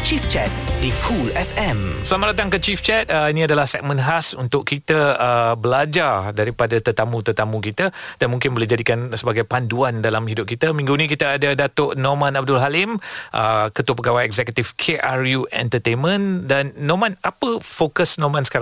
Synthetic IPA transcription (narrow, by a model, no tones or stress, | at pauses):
t͡ʃift͡ʃɛt̚dikʰulɛfɛ̃msəlamaʔdat̪aŋkət͡ʃift͡ʃɛt̪̚əinĩadalahsɛk̚mə̃nɦasunt̪ʊkkːit̪əəbəlad͡ʒardaɾipadat̪ərt̪amũt̪ərt̪amũkit̪əd̥anmũŋkɪnboled͡ʒadikansəbaɡajpanduandalamhidʊp̚kit̪amĩŋɡunĩk̬it̪aːdadat̪oʔnɔmãnab̚dʊlɦalɪmʔə̰kət̪uəpəɡawajɛkzɛkət̪ifkʰeʔarjuʔɛ̰nt̪ət̪enmə̃ndanːɔmãnapəfokəsnɔmansə̥kaɾ